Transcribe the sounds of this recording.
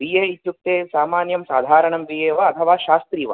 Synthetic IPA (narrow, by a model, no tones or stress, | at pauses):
ʋijeːit̪juk̚t̪eːsaːmaːnjɐmsaːd̪ʱaːɾɐɳɐmʋiːjeːʋɐɐt̪ʰɐʋaːʃaːst̪ɾiːʋɐ̰